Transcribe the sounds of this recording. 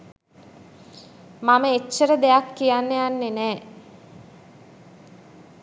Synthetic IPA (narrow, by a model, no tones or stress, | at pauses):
maməet͡ʃːəɾəd̪ejakːijanːejanːenɛː